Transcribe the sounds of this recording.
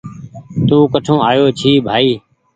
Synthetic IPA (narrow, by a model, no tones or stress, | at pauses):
t̪uːkəʈʰõːaːjoːt͡ʃʰiːbʱaːiː